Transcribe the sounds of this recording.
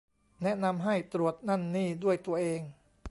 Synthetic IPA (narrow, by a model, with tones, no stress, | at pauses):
nɛ˦˥na˧mɦa˥˩jt̪ɾu˨˩ət̪̚na˥˩nːiː˥˩du˥˩əjt̪u˧ɐʔeː˧ŋ